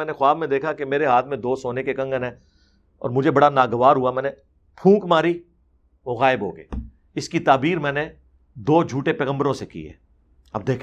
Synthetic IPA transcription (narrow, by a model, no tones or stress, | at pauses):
ɛːnexʊaːbmẽd̪eːkʰakemeːɾeɦaːt̪ʰmẽd̪oːsoːnekekɐ̃ŋɡənɦɛ̃ː | ɔ̰ːɾmʊd͡ʒʱebɐɽanaːɡəʋaːɾɦuamɛ̃ːne | pʰũːkmaːɾi | mʊɣaːɪbɦo̰ːɡə̰ː | ɪskit̪aːbiːɾmɛ̃ːne | d̪oːd͡ʒʱuːʈepɛːɣə̃mbəɾõsekḭɦɛ̰ː | ɐ̰b̚d̪eːkʰ